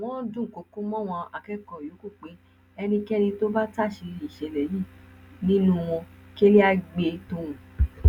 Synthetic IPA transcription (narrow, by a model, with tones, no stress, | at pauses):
a˨w̃ɔ̃˦dũ˦˨ko˨˧kũ˦mɔ̃˦w̃ɔ̃˧a˧˨kɛ˦kɔ˨jo˨˦ku˦˨k͡pe˨˦ | ɛ˧nĩ˧kɛ˦nĩ˧to˦ba˦ta˦˨ʃi˧i˨ʃɛ˨˦lɛ˨ji˦˨nĩ˦nũ˦w̃ɔ̃˧ki˦e˦li˦a˧ɡ͡be˧to˦wũ˨